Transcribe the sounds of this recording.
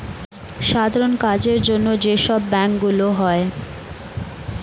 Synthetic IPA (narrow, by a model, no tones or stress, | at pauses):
ʃad̪ʱaɾonkad͡ʑeɾd͡ʑonːod͡ʑeʃɔbːɛŋkɡuloɦɔe